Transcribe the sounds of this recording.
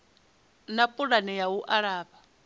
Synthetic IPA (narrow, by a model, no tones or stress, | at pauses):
napʼuɺanɛjawuʔaɺaːba